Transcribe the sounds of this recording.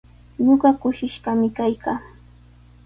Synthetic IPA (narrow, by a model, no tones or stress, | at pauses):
ɲoɢɑkʊʃɪʃɢɑmɪkajkʰaː